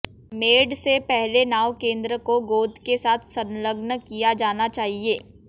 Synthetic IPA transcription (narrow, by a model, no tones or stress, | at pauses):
meːɖsepɛɦlenaːʋwkẽːnd̪ɾəkoɡoːd̪kesaːt̪ʰsɐ̃nləɡnəkijad͡ʒaːnat͡ʃaːɦieː